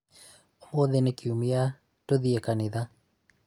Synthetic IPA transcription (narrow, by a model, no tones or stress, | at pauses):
omoðenekiumia | toðiekanɪða